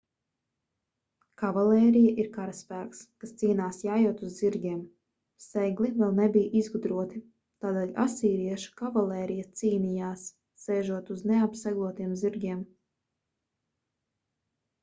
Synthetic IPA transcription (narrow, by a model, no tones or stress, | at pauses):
kavalɛːɾijaʔiɾkaɾaspæːkskast̪siːnaːsjaːjuɔt̪uzːiɾɡʲiɛm | sɛɡlˠivɛlˠnebijʔizɡud̪ɾuɔt̪i | t̪aːd̪eːlʲa̰siːɾiɛʃu̥kavalˠɛːɾijɐt̪siːnijaːsː | ɛːʒuɔt̪uzneapsaɡlˠuɔt̪iɛmziɾɡʲiɛm